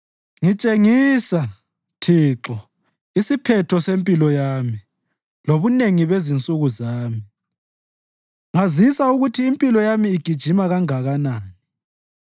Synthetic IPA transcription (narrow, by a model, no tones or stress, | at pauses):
ŋit͡ʃʼeŋisa | tʰiːǁɔ | isipʰɛtʰɔsempʼilɔjaːmi | loβuneŋiβezint͡sʼuɣuzaːmi | ŋazisauɣutʰiːmpʼilɔjamiːɡ̥ʱid̥ʒ̥ʱimaɣaŋaɣanaːni